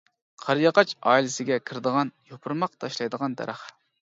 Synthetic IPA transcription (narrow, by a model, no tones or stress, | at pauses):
qʰɑɾjɑqɑt͡ʃɑilɪsɪɡʲɛkʲʰɪɾd̪əʁɑnjopʰʊɾmɑq̚t̪ʰɑʃlˠɑjd̪əʁɑnt̪ʰɛ̰ɾɑχ